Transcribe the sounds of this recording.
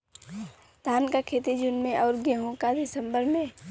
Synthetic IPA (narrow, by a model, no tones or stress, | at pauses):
t̪aːnkakʰeːt̪id͡ʒʊnmẽʔɔːɾɡeɦõkad̪ɪsə̃mbəɾmẽ